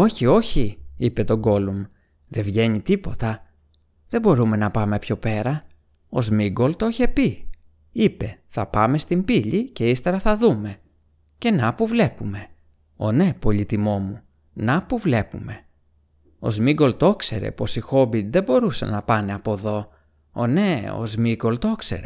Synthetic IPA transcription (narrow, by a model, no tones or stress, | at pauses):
o̞çio̞çiipe̞t̪o̞ɡo̞lum | ðe̞vʝe̞ɲit̪ipo̞t̪ɐ | ðe̞bo̞ɾume̞nɐpɐme̞pço̞pe̞ɾɐ | o̞zmiɡo̞lt̪o̞çe̞pi | ipe̞θɐpɐme̞st̪imbiʎice̞ist̪e̞ɾɐθɐðume̞ | ce̞nɐpuvle̞pume̞ | o̞̰ne̞po̞ʎit̪imo̞mu | nɐpuvle̞pume̞ | o̞̰zmiɡo̞lt̪o̞kse̞̰ɾe̞̰po̞sixo̞bit̪ðe̞bo̞ɾusɐ̰nɐpɐne̞ɐpo̞ðo̞ | o̞̰ne̞o̰zmiɡo̞lt̪o̞ksḛɾe̞